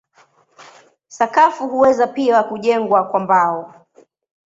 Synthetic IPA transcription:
sakafuhuwɛzapiakuʄɛŋɡwakwambaɔ

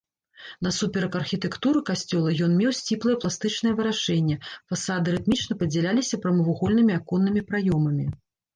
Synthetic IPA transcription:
nɐsupʲɛɾɐkɐrxʲit̪ɛkt̪uɾɨkasʲt͡sʲɔlˠɐjɔnmʲɛwsʲt͡sʲiplˠɐjɛplˠast̪ɨt͡ʂnɨjɛvɨɾaʂɛnʲːɛfasad̪ɨɾɨt̪mʲit͡ʂnɐpɐd͡zʲɛlʲalʲisʲɐpɾɐmɐvuɣɔlʲnɨmʲiakɔnːɨmʲipɾajɔmɐmʲi

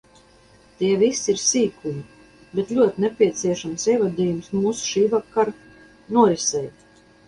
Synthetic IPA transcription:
t̪iɛvisiɾsiːkumi | bet̪lʲuɔt̪inɛpʲiɛt̪siɛʃamsiɛvad̪iːjumsmuːsu̥ʃiːvakːaɾ | nuɔisɛj

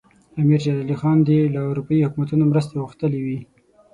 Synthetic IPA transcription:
amiɾd͡ʒalɑlixɑnd̪elaʊɾupɑihʊkumat̪unomɾəs̬t̪eɣuxt̪əlewi

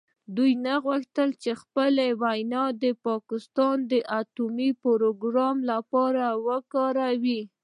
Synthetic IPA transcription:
d̪ujnaɣwəxt̪əlt͡ʃexpəlewajnɑd̪əpɑkɪst̪ɑnd̪əʔat̪umipoɾoɡɾɑmlapɑɾawəkɑɾawi

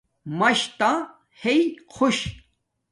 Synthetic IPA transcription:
mɐɕt̪ã | heikʰoɕ

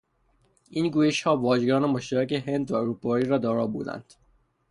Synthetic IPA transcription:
ʔiːnɡuːjeʃhɒːvɒːʒɡɒːnemoʃt̪æɾæceɦe̞nd̪væoɾuːpʰɒːiːɾɒːd̪ɒːɾɒːbṵːd̪æ̰nd̪̥

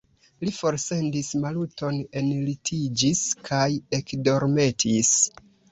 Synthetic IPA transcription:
lifo̞ɾse̞ndismaluto̞ne̞nlitʰid͡ʒiskʰaje̞kdo̞ɾme̞tʰis

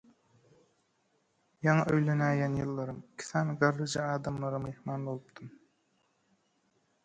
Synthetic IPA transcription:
jɑŋɑʔøjlenæːjænjɯlˠːɑɾɯmikʲʰi̥sɑːnɡɑɾːɯd͡ʒɑɑːd̪ɑmlˠɑɾɯmehmɑːnbolˠɯpt̪ʰɯm

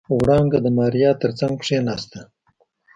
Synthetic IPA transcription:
wɽɑŋɡad̪əmɑɾjɑt̪əɾt͡saŋɡpʂenɑst̪a

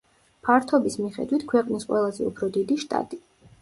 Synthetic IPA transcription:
pʰaɾt̪ʰɔbismiχɛ̰d̪wit̪ʰkʰwɛqʼnisqʼwɛlˠazɛ̰ṵpʰɾɔd̪id̪iʃt̪ʼa̰t̪ʼi

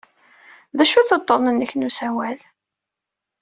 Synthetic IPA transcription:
ðæʃuθət̪ˤːɔnənːəçnusæwæl

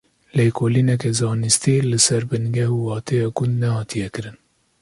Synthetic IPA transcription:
leːkʰoːlinɛk̬ɛzɑːnɨst̪ilɨsɛɾbɨnɡɛɦuːwɑːt̪ʰɛjɑːɡʊnd̪nɛhɑːt̪ʰijɛkɨɾɨn

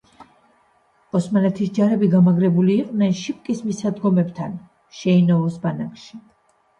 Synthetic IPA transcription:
ɔsmanɛt̪ʰisd͡ʒaɾɛbiɡamaɡɾɛbuliːq̪ʼnɛnʃip̚kʼismisad̪ɡɔmɛbt̪ʰan | ʃɛinɔɔsbanakʰʃi

